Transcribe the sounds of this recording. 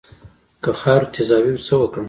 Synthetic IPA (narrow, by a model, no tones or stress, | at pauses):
kəxɑɾt̪ʰɪzɑwiwt͡səwəkɽəm